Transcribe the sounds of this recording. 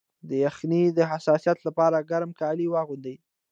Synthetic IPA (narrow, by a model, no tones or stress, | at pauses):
d̪əjaxnid̪əɦasɑsijat̪lapɑɾaɡaɾmkɑliwɑɣʊnd̪əj